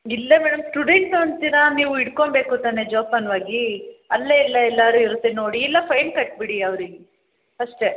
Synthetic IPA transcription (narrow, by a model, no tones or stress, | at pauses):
ilːɐmɛːɽɐmsʈuɖeɳʈoɳt̪iːɾɐniːʋuiɽkoɳbe̞ːkut̪aːned͡ʒoːpɐnʋaːɡiɐlːeɛlːɐɛlːaːɾuiɾut̪ːeno̞ːɽiːlːɐpʰɐjnkɐʈ̚biɽiɐʋɾiɡe | ɐʂʈe